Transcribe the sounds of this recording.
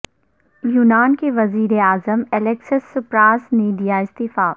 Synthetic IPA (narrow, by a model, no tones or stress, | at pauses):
juːnaːnkeʋɐziːɾeaːzəmɛleksəsːʊpɾaːsniːɖijaɪst̪iːfaː